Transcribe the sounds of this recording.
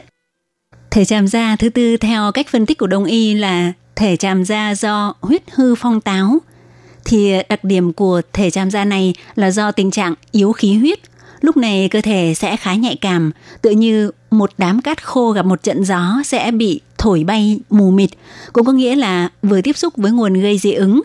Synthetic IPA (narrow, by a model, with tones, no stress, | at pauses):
t̪ʰe˧˩t͡ɕaː˧˩mzaː˧t̪ʰɨ˨˦t̪ɨ˧t̪ʰɛ˧wka˦˥jk̟̚fə˧nt̪i̟˦˥ku˧˩ɗə˧˩wŋ͡mʔi˧laː˨˩ | t̪ʰe˧˩t͡ɕaː˨˩mzaː˧zɔ˧hwi˦˥ət̚hɨ˧fa˧wŋ͡mt̪aː˨˦w | t̪ʰi˨˩ɗa˨˩k̚ɗi˧˩əmku˧˩ət̪ʰe˧˩t͡ɕaː˨˩mzaː˧na˨˩jlaː˨˩zɔ˧t̪ï˨˩ŋ̟t͡ɕa̰ː˧˨ŋʔi˨˦əwxi˨˦ɦwi˦˥ət̚ | lʊ˦˥k͡p̚na˨˩jkəː˧t̪ʰe˧˩sɛ̰˧˥xaː˨˦ɲa̰˧˨jkaː˨˩mt̪ɨ̰˧˨ɲɨ˧mo˨˩t̚ɗaː˨˦mkaː˦˥t̚xo˧ɣa˨˩p̚mo˨˩t̚t͡ɕə̰˧˨nzɔ˨˦sɛ̰˧˥ɓḭ˧˨t̪ʰo˧˩jɓa˧jmu˨˩mï˨˩t̟̚kʊ̰˧˥ŋ͡mkɔ˨˦ŋḭ˧˥əlaː˨˩vɨ˨˩ət̪i˦˥əp̚sʊ˦˥k͡p̚vəː˨˦jŋu˨˩ənɣə˧jzḭ˧˨˦ʔɨ˨˦ŋ